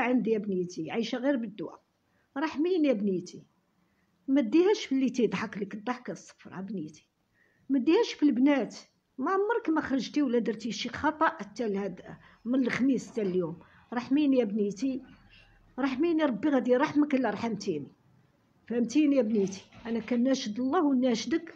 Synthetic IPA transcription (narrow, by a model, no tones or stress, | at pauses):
ʕənd̪jæbnit̪iʕiʃæɣiɾbəd̪ːʊwæ̰ | ɾˤɑħminjæbnit̪i | mæd̪ihæʃfilːit̪id̪ˤħɑklikd̪ˤɑħkæsˤːə̥fɾˤæbnit̪i̥ | mæd̪ihæʃfilbnæt̪ | mæʕmːɑɾˤkmæxɾˤəʒt̪iwlːæd̪əɾˤt̪iʃixɑt̪ˤɑʔət̪ːælhæd̪ | mənəlxmist̪æljum | ɾˤɑħminjæbnit̪i | ɾˤɑħminiɾˤɑbːiɣæd̪iɾˤɑħməklːiɾˤħæmt̪ini | fæmt̪injæbnit̪i̥ʔænækænːæʃəd̪əlˤːɑhwənːæʃd̪ək